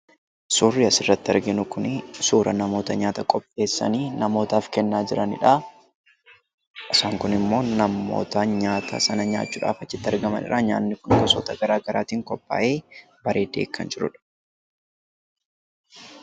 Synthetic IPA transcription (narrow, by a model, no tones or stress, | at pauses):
suːrːiɐsɪrːɐt̪ːɪɐɾɡɪnʊkʊnɪsuːɾʔɐnɐmo̞ːt̪ɐɲaːt̪ɐkʼɔpʼːe̞ːsːɐ̰niːnɐmo̞ːt̪aːfkɛnːaːd͡ʒɪɾɐnɪ̰ᶑaː | ʔɪsaːŋkʊnɪmːo̞ːnɐmːo̰ːt̪ɐɲaːt̪ʰɐ̰sɐnɐɲa̰ːt͡ʃːuːᶑa̰ːfɐt͡ʃːɪt̪ːɪɐɾɡɐmɐ̰nɪ̰ɾʔaːɲa̰ːnːɪkʊŋɡɐsɔt̪ɐɡɐɾaːɡɐɾaːt̪iːŋkɔpːa̰ːʔe̞ː | bɐɾe̞ːd̪e̞ːkːɐ̰nd͡ʒɪɾʊ̰ᶑɐ̥